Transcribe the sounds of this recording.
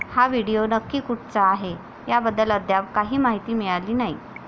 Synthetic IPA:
haʋiɽijonəkːiːkuʈ̚t͡saːɦe | jabəd̪ːələd̪ʱjaʋkaɦiːmaɦit̪iːmiɭaliːnai

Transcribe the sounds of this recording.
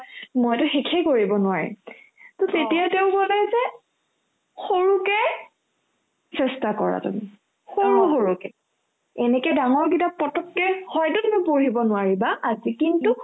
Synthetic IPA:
mojtʊxekʰɛkoɹibɔnʊwaɹḭ | tɔtetijateʊkɔlɛzɛ | xoɹukɛ | sɛstakɔ̰ɹa̰tṵmḭ | xoɹuxoɹukɛ | ɛnɛkɛdaŋɔɹɡidapɔtɔkːɛhɔjtʊtmɔjpoɹibɔnʊaɹibaʔazikintu

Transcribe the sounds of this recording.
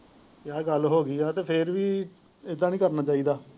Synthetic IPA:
kjaːɡəlɦoːɡiːɛːt̪eːpʰɪɾʋiː | ɪd̪ãːnĩːkəɾnaːt͡ʃaːiːd̪aː

